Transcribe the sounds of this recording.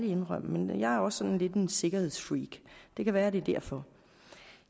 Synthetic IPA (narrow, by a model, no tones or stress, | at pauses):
lie̝nʁœm̰menjɑ̈ɪæɐɒ̽sːɒ̽nnle̝d̥ense̝ɡ̥ɐhe̝ð̰ˠsfʁiːɡ̥d̥e̝kʰæʋæːɐde̝d̥æɐ̰fɒ̽